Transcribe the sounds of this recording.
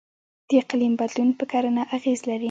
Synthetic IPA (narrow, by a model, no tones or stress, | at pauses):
d̪̥əqalimbad̪lunpəkaɾənaʔaɣezlaɾi